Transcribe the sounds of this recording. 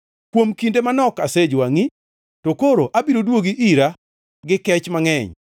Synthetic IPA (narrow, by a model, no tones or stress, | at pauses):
kwomkindemanɔkased͡ʒwaŋi | tokoɾoʔabiɾodwoɡiʔiɾa | ɡɪkɛt͡ʃmaŋɛɲ